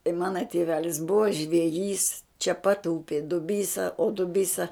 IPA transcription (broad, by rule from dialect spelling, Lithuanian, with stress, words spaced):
ɪ ˈmɑːnɐ tʲɪˈʋʲæːlʲɪs ˈbʊʋɐ ʒʲʋʲɛˈjiːs t͡ʃʲɛ pɐt ˈʊpʲɪ dʊˈbʲiːsɐ oː dʊˈbʲiːsɐ